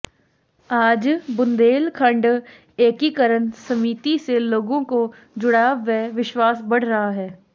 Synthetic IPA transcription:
aːd͡ʒbʊ̃nd̪eːlkʰə̃ɳɖ | eːkikəɾənsɐmiːt̪iseloːɡõko | d͡ʒʊɽaːʋɛʋɪʃwaːsbɐɽ̤ɾɐɦaɦɛː

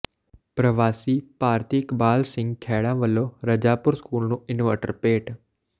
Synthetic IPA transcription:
pɾɐʋaːsiːpaːɾt̪iːkbaːlsɪ̃ŋɡkʰɛːɽãːʋəloɾɐd͡ʒaːpʊɾskuːlnũːɪnʋəɾʈə̰ɾpeːʈ

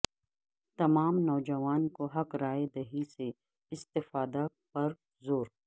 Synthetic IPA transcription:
t̪ɐmaːmnɔːd͡ʒɐʋaːnkoɦɐkɾaːed̪ɐɦise | ɪst̪ɪfaːd̪a | pɐɾ | zoːɾ

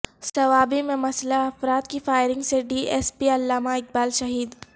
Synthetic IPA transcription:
sɐʋaːbimẽmɐslaɐfɾaːt̪kifaːɪɾɪ̃ŋɡseɖiːʔeːspiɐlːaːmaɪk̚baːlʃɐɦiːd̪

